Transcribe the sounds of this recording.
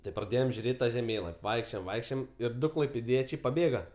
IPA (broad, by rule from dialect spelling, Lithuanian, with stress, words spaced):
tɐɪ prɐˈdʲeːjoːm ʒʲʊˈrʲeːtʲ tɐ ʒʲɛˈmʲeːlˠɐpʲ ˈʋɐɪkʃʲt͡ʃʲoːjoːm ˈʋɐɪkʃʲt͡ʃʲoːjoːm ɪr ˈdʊ klˠɐɪpʲeːˈdʲiɛt͡ʃʲɛɪ pɐˈbʲeːɡɐ